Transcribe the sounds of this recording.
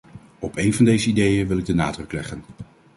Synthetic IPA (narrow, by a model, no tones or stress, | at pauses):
ɔpejnvɑndejzəidejənʋɪlɪɡ̚dənaːdrɵklɛχən